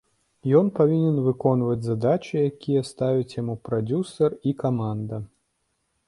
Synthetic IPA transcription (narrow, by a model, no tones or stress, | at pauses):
jɔnpavʲinʲɛnvɨkɔnvɐd͡zʲzad̪at͡ʃɨjakʲijɐst̪avʲit͡sʲjamupɾad͡zʲusɐrikamand̪ɐ